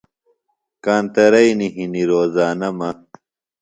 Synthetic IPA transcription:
kaːnt̪ɐɾɐjniɦiniɾoːzaːnɐmɐ

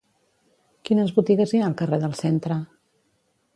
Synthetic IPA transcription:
kinəzβut̪iɣəzianəlˠkəreðəlˠsent̪ɾə

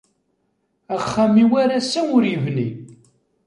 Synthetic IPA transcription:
æχːamiwæɾæsæʊɾjəvni

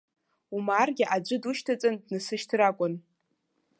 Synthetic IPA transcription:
umarɡʲɪʔad͡ʒʷɨduʃtʰat͡sʼandnɨsɨʃtʰrakʷʼʊn

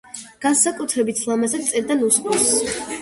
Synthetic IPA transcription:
ɡ̥ansakʼut̪ʰɾɛbit̪ʰslˠamazɛsʼɛɾd̪anusχʼɔs

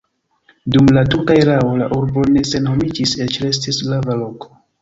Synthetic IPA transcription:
dumlatuɾkaeɾawolaʔuɾbo̞ne̞se̞nho̞mid͡ʒise̞t͡ʃɾe̞s̬tislavalo̞kʰo̥

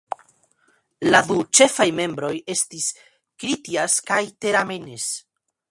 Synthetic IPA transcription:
ladut͡ʃe̞fajme̞mbɾo̞je̞stis | kɾitiaskajte̞ɾamenes

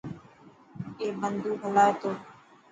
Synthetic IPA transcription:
eːbənd̪uːbʱəlaːeːt̪oː

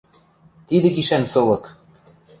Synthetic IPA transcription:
t̪id̪ɘ̆kiʃænsɤ̆lɤ̆k

